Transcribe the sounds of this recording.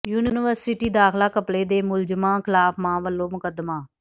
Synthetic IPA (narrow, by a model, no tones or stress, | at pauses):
juːnɪnɪʋəɾsɪʈiːd̪aːkʰlaːkəpɽeːd̪eːmʊld͡ʒəmãːkʰɪlaːpmãːʋəlːoːmʊkəd̪maː